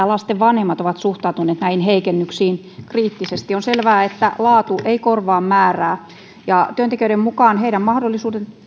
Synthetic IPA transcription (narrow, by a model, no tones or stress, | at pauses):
ælɑst̪eʋʋɑnhemːɑt̪oʋɑt̪suht̪ɑˑut̪uneːt̪næinheikenːyksiːn | kriːt̪ːisest̪ionselʋæːet̪ːæ̰lɑːt̪uʔeikorʋɑːmmæːræː | jɑt̪yønt̪ekiøyɾemmukɑːnheiɾæmmɑhdolːisuːden